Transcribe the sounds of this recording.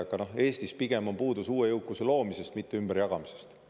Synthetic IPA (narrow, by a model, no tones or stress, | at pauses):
ɑɡ̥ɑnohe̞ːst̪ispiɡ̥e̞mo̞mpuːd̪usuːejɤwkːˑuse̞lo̞ːmise̞st̪mit̪ːe̞ymb̥eɾjɑɡ̥ɑmise̞̥st̪